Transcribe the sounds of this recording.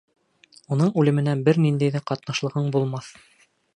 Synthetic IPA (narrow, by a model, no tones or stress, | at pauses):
unɤɴʉlɘ̆mɘ̆næbɘɾnind̪æjðæqɑt̪nɑʃlˠɤ̆ʁɤɴbulˠmɑθ